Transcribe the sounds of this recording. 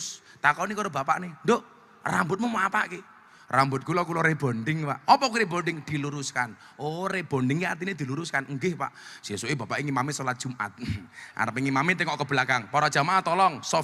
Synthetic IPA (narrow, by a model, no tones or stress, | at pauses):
s | t̪akɔnikɔɾob̥a̤pa̰ʔnendoʔ | ra̰mbʊt̪mɔmapa̰ʔke | rambʊt̪̚kulɔkulɔɾeb̥o̤ɳɖɪŋpaʔɔpɔkuɾeboɳɖɪŋd̪̥i̤luɾuskan | oreb̥o̤nɖɪŋkeart̪ined̪̥i̤luɾuskanŋɡɪhpa̰ʔʒ̥esoʔeb̥a̤paʔɪŋimamisolad̥ʒ̥ṳma̰t̪̚ʔa̰ɾəpɪŋimamit̪eŋɔʔkəb̥əlakaŋpɔɾɔd̥ʒ̥a̤maʔat̪ɔlɔŋsɔ